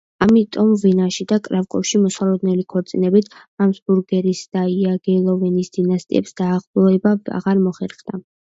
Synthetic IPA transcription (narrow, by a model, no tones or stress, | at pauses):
amit̪ʼɔmvinaʃid̪akʼɾavkʼɔ̰fʃimɔsalˠɔd̪nɛlikʰɔɾt̪sʼinɛbit̪ʰ | amsbuɾɡɛɾisd̪̥aiaɡɛlˠɔvɛnisd̪̥inast̪ʼḭɛ̰psd̪̥aːʁlˠɔɛbaa̰ʁaɾmɔχɛɾχd̪̥a